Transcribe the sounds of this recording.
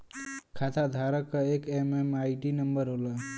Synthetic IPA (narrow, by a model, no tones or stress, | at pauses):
kʰat̪ʰad̪ʱaɾəkːəekememajʈinəmbəɾɦolə